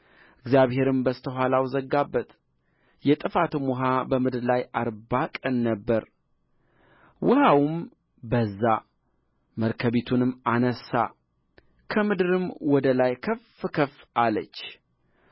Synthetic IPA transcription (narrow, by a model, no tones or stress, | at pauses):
ɨɡzjaβhe̞ɾɨmbəst̪ʰəɦʷalawzəɡːabːət̪ʼ | jɛt̪ʼɨfat̪ɨmʊɦabəmɨd̪ɨɾlajaɾbakʼənːəbːəɾ | wʊhawm | bəzːa | məɾkʰəβet̪ʰunɨmːanəsːa̰ | kʰəmɨd̪ɨɾɨmwɔd̪əlajkʰəfkʰəfʔalət͡ʃː